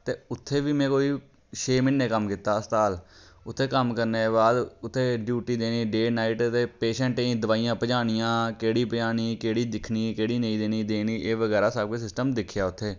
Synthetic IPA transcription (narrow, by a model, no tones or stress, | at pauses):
t̪eːʊt̪ʰːeːʋiːmɛ̃ːkoːiː | ʃeːmɪnːẽːkəmkɪːt̪aːəst̪aːlʊt̪ʰːeːkəmkəɾneːbaːd̪ʊt̪ʰːeːɖjuːʈiːd̪eːniːɖeːnaːiːʈt̪eːpeːʃɛ̃ːɳʈeĩːd̪əʋaːijãːpəd͡ʒaːɽ̃ɪjãːkeːɽiːpəd͡ʒaːniːkeːɽiːd̪ɪkʰniːkeːɽiːnəĩːd̪eːniːd̪eːniːʔeːʋəɡɛːɾaːsaːb̚keːsɪsʈəmd̪ɪkʰjaːʊt̪ʰːeː